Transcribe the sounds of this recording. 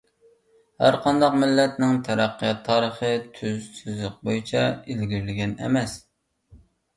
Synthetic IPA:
hæ̰ɾqʰɑnd̪ɑqmɪlːɛt̪nɪŋt̪ʰɛɾæqːijɑt̪ʰːɑːɾəχət̪ʰyzsyzlɪq̚bojit͡ʃʰɛilɡʲiɾlɪɡʲɛnɛ̰mɛs

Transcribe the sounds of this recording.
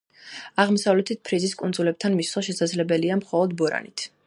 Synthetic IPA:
aʁmɔsavlɛt̪ʰit̪̚pʰɾiziskʼund̪zulɛp̚t̪ʰanmiswaʃɛsad̪zlɛbɛliamχɔlˠɔd̪bɔɾa̰nit̪ʰ

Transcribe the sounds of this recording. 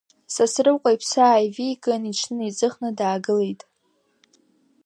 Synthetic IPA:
sasrɨwqʷʼajpʰsaːjviɡʼanit͡ʃʰnɨid͡zɨχnɨdaːɡɨlejtʼ

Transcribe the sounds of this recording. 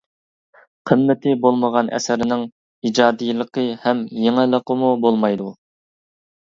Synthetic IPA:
qʰəmːɪt̪ʰɪbolˠməʁɑnʔɛ̰sɪɾɪnɪŋ | id͡ʒɑːd̪ijlˠəqəhɛmjeŋɪlˠəqəmubolˠmɑjd̪u

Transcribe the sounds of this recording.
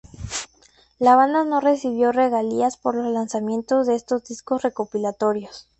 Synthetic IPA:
laβand̪ano̞re̞siβ̞jo̞re̞ɣaliaspo̞ɾlozlansamjẽ̞nt̪o̞zðe̞est̪o̞zd̪isko̞sre̞ko̞pilat̪o̞ɾjo̞s

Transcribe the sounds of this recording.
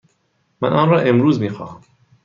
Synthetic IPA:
mænʔɒːnɾɒːʔemɾuːzmiːxɒ̰ːhæm

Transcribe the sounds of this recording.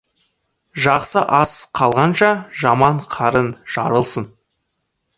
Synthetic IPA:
ʒɑqsəʔɑsqʰɑlˠʁɑnʃɑʒɑmɑɴqʰɑɾənʒ̥ɑ̰ɾəlˠsən

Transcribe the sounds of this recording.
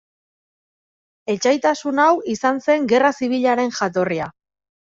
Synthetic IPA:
e̞t͡ʃajt̪asunawisanse̞ŋɡe̞rasiβ̞iʎaɾe̞nʝat̪o̞ria

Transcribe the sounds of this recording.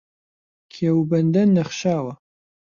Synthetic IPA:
kʰeːwbɐnd̪ɐnːɐχʃaːwɐ

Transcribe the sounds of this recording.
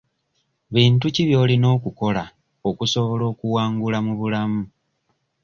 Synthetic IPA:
βiːntuciβjo̞ːlino̞ːkuko̞la | o̞kuso̞βo̞lo̞ːkuwaːŋɡulamuβulamu

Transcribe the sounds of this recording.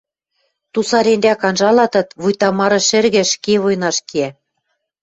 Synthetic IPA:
t̪usɑɾend̪ækɑnʒɑlɑt̪ɤ̆t̪βujt̪ɑmɑɾɤ̆ʃɘ̆rɣɘ̆ʃkeβojnɑʃkiæ

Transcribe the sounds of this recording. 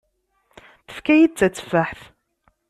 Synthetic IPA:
θə̥fkæjid̚t͡sːæt͡sːə̥faħθ

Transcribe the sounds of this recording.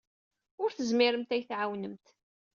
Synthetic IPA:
ʊɾθəzmiɾəmt̪æjθʕawnəmt̪

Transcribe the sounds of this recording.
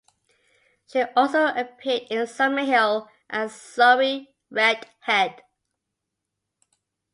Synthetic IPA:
ʃiʔɔlˠsoʊʔəpʰɪədɪ̃nsʌməhɪlˠ | ʔə̃zsʌɹi | ɹɛd̥hɛd̥

